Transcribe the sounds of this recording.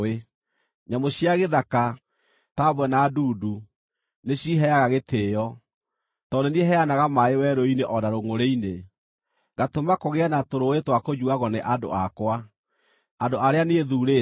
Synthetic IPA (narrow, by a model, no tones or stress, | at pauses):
e | ɲamoɕiaɣeðaka | tabwɛnaduːdu | neɕiɦɛaɣaɣetʰeːjɔ | tɔdonieɦɛanaɣamaewɛɾoineʔɔdaɾoŋoɾeine | ɣatomakoɣeanatoɾowetwakoɲuaɣɔneʔado̰akwa | adoʔaɾeaneeðuɾe